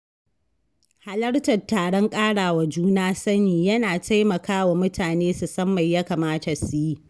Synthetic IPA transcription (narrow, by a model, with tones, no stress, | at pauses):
ha˨lɐ˦ɽtɐ˨tːaː˨ɽɔ˦ŋkʼaː˦ɽaː˨wa˨d͡ʒuː˦naː˦sɐ˦niː˨jɐ˦naː˨tʰa˦jmɐ˨kaː˦wa˨mʊ˦tʰaː˨neː˦su˨sɐ˦mːɐ˨jja˦kaː˨maː˦ta˨su˨ji˦